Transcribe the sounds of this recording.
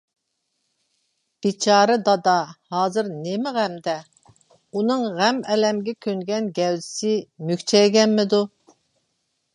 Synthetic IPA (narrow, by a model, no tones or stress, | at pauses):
b̥it͡ʃʰɑːɾɨd̪ɑd̪ɑhɑːzɨɾnemɪʁæmd̪ɛ | unɨŋʁæmɛlɛmɡʲɛkʲʰøŋɡʲɛnɡʲɛwzɪsɪmykʲt͡ʃʰɛjɡʲɛnmɪd̪u